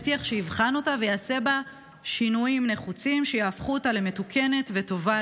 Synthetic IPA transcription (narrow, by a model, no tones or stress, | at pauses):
tiaχʃeivχano̞tavejaːse̞ba | ʃinujimne̞χut͡simʃejaːfχuotaleme̞tukʰe̞ne̞tve̞to̞va